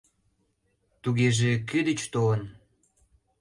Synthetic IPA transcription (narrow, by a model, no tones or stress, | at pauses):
t̪uɣeʒek̬yd̪ət͡ɕt̪oən